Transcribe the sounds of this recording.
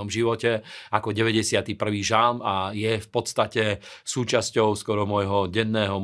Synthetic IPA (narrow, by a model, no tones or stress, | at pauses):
ɔmʒiʋɔcɛakɔɟɛʋɛɟɛsɪat̪ipr̩ʋiːʒalmajɛfpɔt̪st̪acɛsuːt͡ʃascɔʊskɔɾɔmɔjɦɔɟɛnːɛːɦɔm